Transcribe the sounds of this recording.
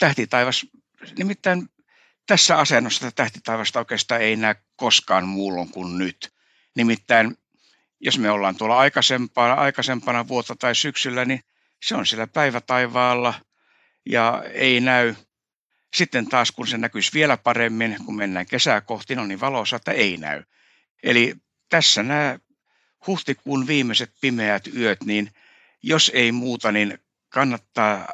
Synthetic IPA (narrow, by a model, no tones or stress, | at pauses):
t̪æht̪it̪ɑiʋɑs | nimit̪ːæin | t̪æsːæɑsenːosːɑ̥t̪ɑt̪æht̪it̪ɑiʋɑst̪ɑoˑekest̪ɑeinæykkoskɑːnmuːlːoŋkunnyt̪ | nimit̪ːæin | josmeolːɑːnt̪uolːɑɑikɑsempɑːnɑ̰ikɑsempɑnɑʋuot̪ːɑt̪ɑisyksylːæni | seonsielːæpæiʋæt̪ɑiʋɑːlːɑ | jɑ̰ḛinæy | sit̪ːent̪ɑːskunsenækysʋielæpɑremːinkummenːæːŋkesækoht̪inoniʋɑlosɑet̪ːæeinæ̰y | ḛli | t̪æsːænæː | huht̪ikuːnʋiːmːˑeset̪̚pimeæt̪yøt̪nin | joseimuːt̪ɑnin | kɑnːɑt̪ːɑː